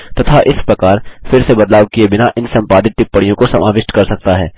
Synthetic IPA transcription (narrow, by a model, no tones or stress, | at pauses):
t̪ɐt̪ʰaʔɪspɾɐkaːɾfɪɾsebɐd̪laːʋkiebɪnaʔɪnsɐ̃mpaːd̪ɪt̪̚ʈ̪ɪpːəɽijõkosɐmaːʋɪʃʈkɐɾsɐk̚t̪aɦɛ̰ː